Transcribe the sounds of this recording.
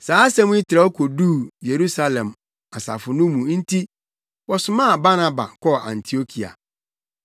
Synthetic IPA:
saː˨˦sɛ̃˦mʊ̃˦i˦tʰɪ˨ɾa˨˦ɔ˦kʰo˨du˦˨je˨ɾu˦sa˦lɛ̃˨m | a˨sa̰˨fʊ˨nʊ̃˦mũ˨˦n̩˦tʰi˦ | wɔ˨sʊ˨mã˦˨ba˦nã˦ba̰˨kʰɔ˦˨ʔã̰˨n˨tʰi˨o˦kʰi˨a̰˨

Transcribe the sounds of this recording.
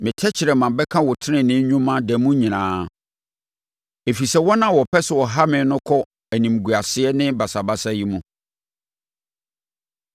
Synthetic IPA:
mɪ̃˨tʰɛ˦t͡ɕʰɪ˨ɾɛ˨mã˨bɛ˦kʰã˦wɔ˨tʰɪ˦nɪ̃˨nɪ̃˦ɲũ˦mã˦dɛ˨˦mũ˦ɲĩ˨nãː˨˦ | e˨fi˨sɛ˦wɔ˦nã˦˨wɔ˨pʰɛ˦sʊ˨wɔ˨ɦa˦mɪ̃˨˦nʊ̃˦kʰɔ˦ | æ˨nĩ˨m˨ɡu˨a˨sɪ˦ɛ˦nɪ̃˦ba˨sa˨ba˦sa˦ji˦mũ˦

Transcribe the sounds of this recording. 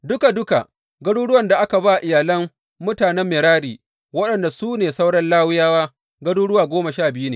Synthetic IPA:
dʊ˦ka˨dʊ˦ka˨ | ɡɐ˦ɽuː˦ɽʊ˦wɐ˨nda˨ʔa˦ka˨ba˦˨ʔɪ˨jaː˨lɐ˦mː | ʊ˦taː˨nɛ˦mːeː˨ɽaː˦ɽiː˨ | wɐ˦ɗɐ˨nda˨suː˦neː˨sa˦wɽɐ˦nlaː˦wɪ˦jaː˦waː˦ | ɡɐ˦ɽuː˦ɽʊ˦waː˨ɡʷoː˦ma˨ʃaː˦˨bɪ˦ju˦neː˨

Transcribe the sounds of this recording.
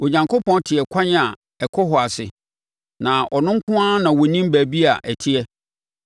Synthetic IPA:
wɔ˨ɲã˨ŋkʰo˦pʰɔ̃˦n˦tʰɪ˨ɛ˨kʷʰã˦ɲ˦a˨ | ɛ˨kʰɔ˦ɦɔ˨a˨sɪ̰˨ | nã˨ʔɔ˨nʊ̃˦ŋ̩˦kʰʊ̃˦a˦nã˨wɔ˨nĩ˦m˦bæː˨bi˦a˨ʔæ˨tʰɪ˦ɛ˦

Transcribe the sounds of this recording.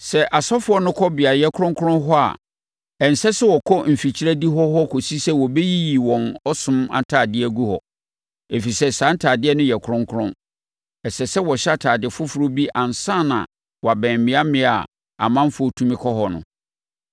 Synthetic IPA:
sɛ˨ʔa˨sɔ˦fʊ˦ɔ˦nʊ̃˦kʰɔ˦bɪ˨a˨jɛ˦kʰʊ˦ɾʊ̃˦ŋkʰʊ˦ɾʊ̃˦ɦɔ˦a̰˨ | ɛ˨n̩˨sɛ˦sɛ˦wɔ˨kʰɔ˦m̩˨fi˨t͡ɕʰi˦ɾæ˦di˦ɦɔ˦ɦɔ˦kʰo˨si˦sɛ˦wɔ˨be˦ji˦ji˨wɔ̃˨nɔ˦sʊ̃˦ma̰˨tʰaː˨dɪ˦æ˦˨ɡu˦hɔ̰˨ | e˨fi˨sɛ˦sã˨˦n̩˦tʰaː˨dɪ˦ɛ˦nʊ̃˦jɛ˨kʰɾʊ̃˦ŋkʰʊ˦ɾʊ̃˦ | ɛ˨sɛ˨sɛ˦wɔ˨ɕa˦tʰaː˨dɪ˨ɛ˨fʊ˦fʊ˨ɾo˦bi˦ʔã˨n˨sã˦˨nã̰˨ | wɔ˨a˨bɛ̃ː˨m˨mɪ̃˨˦a˦mɪ̃˦a˨ | a̰˨mã˦m˦fʊ˨˦ɔ˦tʰũ˦mɪ̃˦kʰɔ˦ɦɔ˨nʊ̰̃˨

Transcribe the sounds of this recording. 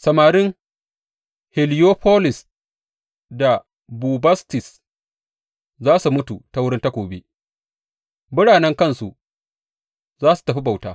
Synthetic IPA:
sɐ˨maː˨ɾɪ˦ŋ | hɪ˨lɪ˦joː˦ɸʰoː˦lɪ˨s | da˨ | buː˨bɐ˦stɪ˨s | zaː˦su˨mʊ˦tu˨ta˦wʊ˦ɽɪ˦nta˦kʷoː˨bḛ˦ | mʊ˦ɽaː˨nɛ˦ŋkɐ˦˨nsu˨ | zaː˦su̥˨tɐ˨ɸi˦ba˨wta̰ː˦

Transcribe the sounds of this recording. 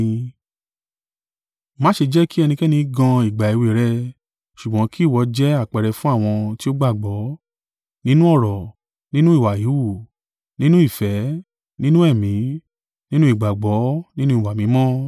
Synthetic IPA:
mãː˨˦ʃe˧d͡ʒɛ˦ki˦ɛ˧nĩ˧kɛ˦nĩ˧ɡã˧i˨ɡ͡ba˨i˨we˨ɾɛ˧ | ʃu˨ɡ͡bɔ̃˨˦ki˦˨wɔ˧d͡ʒɛ˦a˦˨k͡pɛ˨ɾɛ˧fũ˦a˦˨w̃ɔ̃˧ti˦o˦ɡ͡ba˦˨ɡ͡bɔ˨˦ | nĩ˦nũ˦ɔ˦˨ɾɔ˨ | nĩ˦nũ˦i˦˨wa˨ji˨˦wu˦˨ | nĩ˦nũ˦i˦˨fɛ˨˦ | nĩ˦nũ˦ɛ˦˨mĩ˨˦ | nĩ˦nũ˦i˦˨ɡ͡ba˨ɡ͡bɔ˨˦nĩ˦nũ˦i˦˨wa˨mĩ˨˦mɔ̃˦

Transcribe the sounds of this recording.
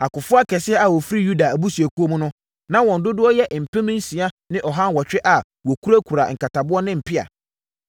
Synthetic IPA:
a˨kʊ˨fʊ˦a˦kʰɛ˨sɪ˦ɛ˦a˨wɔ˨fɾi˦ju˦da˨æ˨bu˦si˨e˨ku˦o˦mũ˦nʊ̃˦ | nã˦wɔ̃˨n̩˨dʊ˦dʊ˦ɔ˦jɛ˦ʔm̩˨pʰɛ̃˦mɪ̃˦n̩˦sĩ˨a˦ | nɪ̃˦ʔɔ˨ɦã˦n˦wɔ˨t͡ɕᶣɪ˦ʔa˨ | wɔ˨kʰu˦ɾa˦kʰu˨ɾa̰˨ŋ̩˨ka˨tʰa˨bʊ˦ɔ˦nɪ̃˦m̩˨pʰɪ˦a̰˨

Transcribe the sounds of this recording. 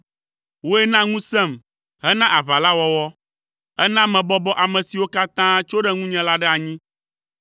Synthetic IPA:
wo˦ɛ˦nã˦ŋũ˦sɛ̃˦˨m | ɦɛ˦nã˦ʔa˨βa˨la˦wɔ˦wɔ˦ | ɛ˦nã˦mɛ̃˨bɔ˦bɔ˦ʔa˨mɛ̃˨si˨wo˦ka˦t̪ã˦t͡ʃo˦ɖɛ˦ŋũ˦ɲɛ̃˨la˦ɖɛ˦a˨ɲĩ˦

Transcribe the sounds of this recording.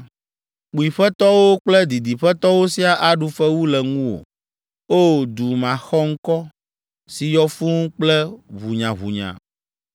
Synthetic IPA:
k͡pu˨i˨ɸɛ˦t̪ɔ˦wo˦k͡plɛ˦d̪i˨d̪i˨ɸɛ˦t̪ɔ˦wo˦si˦a˨ʔa˦ɖu˨fɛ˦wu˦lɛ˨ŋũ˦wo̰˨ | o˦˨d̪u˨mã˨xɔ˦ŋ̩˦kɔ˦ | si˨jɔ˦fũ˦ŋũ˦k͡plɛ˦βu˨ɲã˨βṵ˨ɲã̰˨

